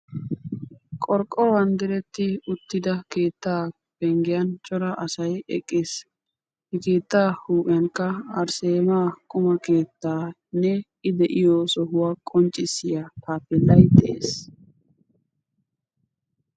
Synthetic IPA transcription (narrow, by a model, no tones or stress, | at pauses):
kʼɔɾkʼːɔwɐnd̪ɪɾɛt̪ːɪʊt̪ːɪd̪ɐke̞ːt̪ːaː | b̥ɛŋɡɪjɐnt͡ʃʼɔɾɐʔɐsɐjɛ̰kʼːeːs | hɪke̞ːt̪ːaːhuːʔʼɪjɐŋkːɐɐɾseːmaːkʼʊmɐke̞ːt̪ːaː | nːɛ | ɪd̪ɛʔɪjoːsɔɦʊwaːkʼɔnt͡ʃʼːɪsːɪjak̪aːpːɛlːɐjd̪ɛʔeːs